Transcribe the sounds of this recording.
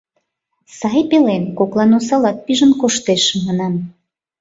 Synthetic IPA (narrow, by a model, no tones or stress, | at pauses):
sɑjpelenkoklˠɑnosɑlɑt̪̚piʒənkoʃt̪eʃmɑnɑm